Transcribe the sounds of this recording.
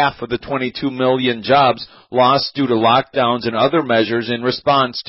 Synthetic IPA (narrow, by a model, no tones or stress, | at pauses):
æfʌvðɨtʰw̥ɛ̃ɾ̃itʰumɪlˠjɨ̃nd͡ʒɑbz | lɔsd̥ʉɾəlɑk̚d̥ãʊ̃nzɨ̃nʌðə˞mɛʒə˞zɨ̃nɹɨspɑ̃nstʰ